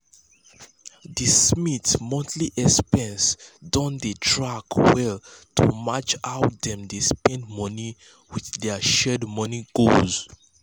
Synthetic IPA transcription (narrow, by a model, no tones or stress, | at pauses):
dismitsmɔ̃ntʰliʔɛspɛ̃nsdɔ̃ndetʰɹakwɛltʰṵmat͡ʃaʊt̚dɛ̃mdespɛ̃ndmɔni | wiθdɛʃɛdmɔniɡoz̥